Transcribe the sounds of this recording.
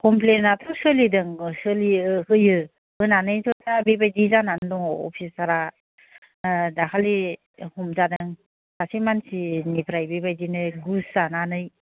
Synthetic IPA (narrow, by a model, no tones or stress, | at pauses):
kɔmplenat̪ʰɔsɯlidɯŋsɯlihɯjɯ | ɯnanɯjzɔtabebajdizanandɔŋɔɔ̰pʰisaɾa | dakʰali | hɔmzadɯŋ | kasimansinipʰɾajbebajdinɯɡuszananɯj